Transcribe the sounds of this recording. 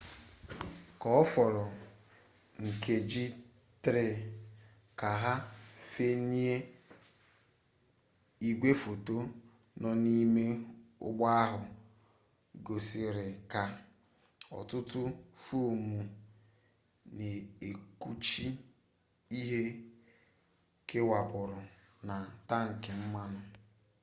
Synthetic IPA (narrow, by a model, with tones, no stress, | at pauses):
kɔ˨ɔ˦fɔ˨ɾɔ˨ | ŋ̩˨ke˨d͡ʒi˦ | tɾe˦˨ | ka˨ɦa˦fe˦ni˦e˦ | i˦ɡ͡bʷe˦fo˨to˦ | nɔ˨ni˦me˦ʊ̰˦ɡ͡ba˦a˦ɦʊ˨ | ɡo˨sɪ˨ɾɪ˨ka˨ | ɔ̰˨tʊ˦tʊ˦fu˦˨mu˨ | ne˨e˨ku˦t͡ʃi˦ | i˦ɦe˦ | ke˦wa˨bʊ˨ɾʊ˨ | na˨ta˦ŋ̩˨kɪ˨m̩˦ma˦nʊ˦